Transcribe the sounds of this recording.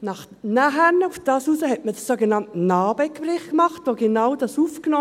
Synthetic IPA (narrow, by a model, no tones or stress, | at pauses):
nɑχ | næɦɛnufd̥ɑːsuːsəhɛtməd̥əsːoɡenɑntnɑːb̥ɛkprɪχkmɑχtʋoːɡenaʊdɑsuːfknɔː